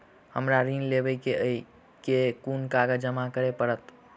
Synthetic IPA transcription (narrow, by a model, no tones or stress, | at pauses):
həmɾaɾinlebəjkeəi | kekunkaɡəd͡ʒəmakəɾepəɾət̪